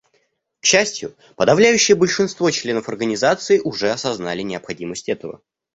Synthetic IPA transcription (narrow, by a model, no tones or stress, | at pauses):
kɕːæsʲtʲjʊ̰ | pəd̪ɐvlʲæjʉɕːɪjəbəlʲʂɨnst̪vo̞t͡ɕlʲe̞nəfɐrɡənʲɪzat̪sɨɪʔʊʐɛɐsɐznalʲɪnʲɪɐpxɐdʲiməsʲtʲɛt̪əvə̰